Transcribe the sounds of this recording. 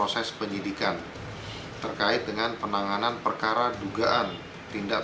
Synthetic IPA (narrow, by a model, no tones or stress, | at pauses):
osɛspəɲidikan | t̪ərkaɪt̪̚dəŋanpənaŋananpərkaɾaduɡaʔan | t̪inda